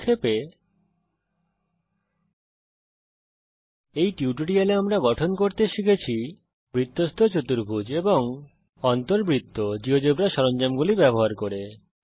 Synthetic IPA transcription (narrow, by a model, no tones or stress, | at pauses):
kʰːepe | ejʈiuʈuɖialeamɾaɡɔʈʰonkoɾt̪eʃikʰet͡ɕʰi | bɾit̪ːost̪ʰot͡ɕot̪uɾbʱud͡ʑeboŋ | ɔnt̪oɾbɾit̪ːod͡ʑiɦod͡ʑobɾaʃɔɾond͡ʑamɡulibɛboɦaɾkoɾe